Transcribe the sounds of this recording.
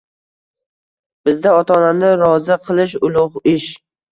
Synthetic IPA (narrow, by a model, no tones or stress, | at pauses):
b̥ɪzd̪aɒt̪ʰɒːnand̪aɾɒzɪqʰɨlˠɪʃʊlˠʊʁɪʃ